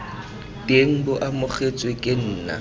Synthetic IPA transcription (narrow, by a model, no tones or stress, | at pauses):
tʼeŋ̩bʊʔamʊχʰet͡sʼwekʼɪn̩ːna̰